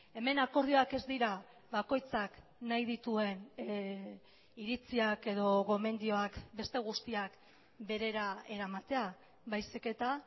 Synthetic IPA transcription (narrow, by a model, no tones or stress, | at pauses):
e̞me̞nako̞ɾð̞io̞ake̞zd̪iɾa | βako̞jt͡saknajðit̪ue̞n | iɾit͡siake̞ðo̞ɣo̞me̞nd̪io̞akbe̞st̪e̞ɣ̞ust̪iak | be̞ɾe̞ɾae̞ɾamat̪e̞a | βajsike̞t̪a